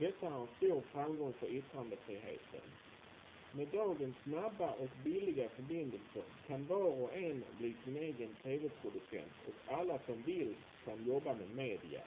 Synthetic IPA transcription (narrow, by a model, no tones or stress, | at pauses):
d̪̥ɛt̪ːaæɾɛnst̪uːɾfɾamɡɔŋfœɾʏt̪ɾand̪əfɾiːɦḛːt̪ʰə̰n | meːd̪ɑːɡənsːnabːaʔɔkbɪlɪɡafœɾbɪnd̪əlsəɾkʰanvɑːɾɔʔɛnbliːsɪneːɡənt̪ʰeːvɛpʰɾʊd̪ɵsɛ̰nt̪ʰɔkʰalːasɔmvɪlː | kʰanjɔbːamɛmeːd̪ɪa̰